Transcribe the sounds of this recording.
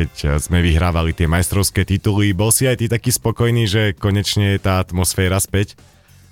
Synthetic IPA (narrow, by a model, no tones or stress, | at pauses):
ɛczmɛʋiɦɾaːʋalit̪ɪɛmajst̪ɾɔʊskɛːt̪it̪ulibɔlsiajt̪it̪akiːspɔkɔjniːʒɛkɔɲɛt͡ʃɲɛjɛt̪aːat̪mɔsfɛːɾaspɛc